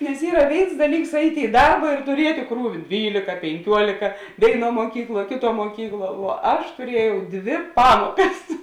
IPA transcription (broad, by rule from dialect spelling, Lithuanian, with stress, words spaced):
nʲɛs ˈiːrɐ ˈʋʲeːɪns ˈdɑːˌlʲiːks ˈɐɪtʲeː ɪ ˈdɐrbɐ ɪr tʊˈrʲiɛtʲeː ˈkruːʋʲɪ ˈdʲʋʲiːlʲeːkɐ pʲɛŋʲˈkʲuɔlʲeːkɐ ˈʋʲeːɪˌnuɔ muɔˈkʲiːkˌlˠuɔ ˈkʲeːˌtuɔ muɔˈkʲiːkˌlˠuɔ ʋuɔ ˈɐʃ tʊˈrʲiɛjɛʊ ˈdʲʋʲɪ ˈpɑːmuɔkɐs